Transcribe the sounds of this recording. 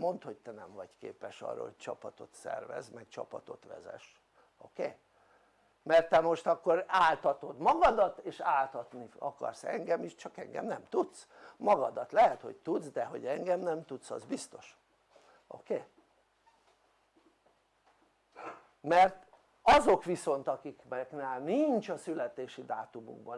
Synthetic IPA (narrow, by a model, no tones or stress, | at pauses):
mo̞nt̪ho̞c̚t̪ɛnɛɱvɒɟkḛːpɛʃɒ̰ːrːɒ̰hoc̚t͡ʃɒpɒt̪o̞t̪sɛ̰rvɛ̰zmɛkt͡ʃɒ̰pɒt̪o̞t̪ʋɛ̰zɛ̰ʃ | okeː | mɛrt̪ːɛmo̞ʃt̪ɒkːo̞ɾaːlt̪ɒt̪o̞d̪mɒɡɒd̪ɒt̪eːʃaːlt̪ɒt̪niɒkɒ̰rsɛŋɡɛmiʃt͡ʃɒkɛŋɡɛ̰mnɛmt̪ut̪smɒɡɒd̪ɒt̪lɛɦɛt̪ho̞̰c̚t̪ud̪zd̪ɛɦo̞̰ɟɛŋɡɛmnɛmt̪ut̪sɒ̰zbist̪o̞̥ʃ | o̰keː | mɛrt̪ | ɒzo̞kʋiso̞nt̪ɒkikbɛknaːlnint͡ʃɒsylɛt̪eːʃid̪aːt̪umṵɡ̚bɒ